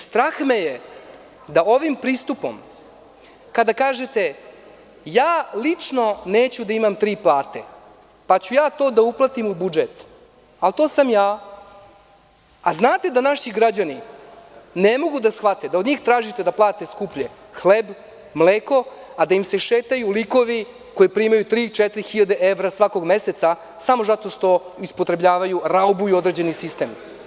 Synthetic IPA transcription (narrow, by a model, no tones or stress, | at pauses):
st̪ɾaxmeje | d̪ao̞ʋimpɾiːst̪upo̰m | kad̪akaːʒet̪e̞ | jaːlit͡ʂno̞neːt͡ɕud̪aimamt̪ɾiːplˠaːt̪ḛ | pat͡ɕujaːt̪o̞ːd̪auplˠat̪imubud͡ʒet̪ | alt̪oːsamjaː | aznaːt̪e̞d̪anaʃiɡɾad͡ʑani | nemo̞ɡud̪asxʋat̪ed̪aod̪ɲiːxt̪ɾaːʒit̪e̞d̪aplˠaːt̪eskupʎe | xleb | mleːko̞ad̪aimse̞ʃeːt̪ajuliko̞ʋi | ko̞jipɾimajut̪ɾiːt͡ʃɛt̪ɾixiʎad̪e̞ʔeʋɾasʋako̞ɡmeset̪sa | samo̞zat̪o̞ʂt̪o̞ispot̪ɾebʎaːʋajuɾaubuio̞d̪ɾed͡ʑe̞nisist̪e̞ːm